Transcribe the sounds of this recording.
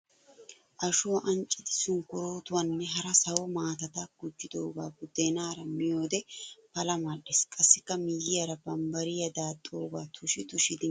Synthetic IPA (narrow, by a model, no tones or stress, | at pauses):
ʔɐʃʊwɐʔɐnt͡ʃʼːɪd̪ɪsʊŋkʊɾoːt̪ʊwɐnːɛɦɐɾɐsɐwɔmaːt̪ɐt̪ɐɡ̥ʊd͡ʒːɪd̪oːɡaːɡʊd̪ːeːnaːɾɐmɪjo̞ːd̪ɛpɐlɐmɐlɪskʼɐsːɪkːɐmɪjɪjɐɾɐbɐmbɐɾɪjɐd̪aːt̪ʼːoːɡaːt̪ʰʊʃɪt̪ʊʃɪd̪ɪ